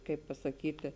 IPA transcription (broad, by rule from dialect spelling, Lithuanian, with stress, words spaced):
ˈkɐɪp pɐsɐˈkʲiːtʲɪ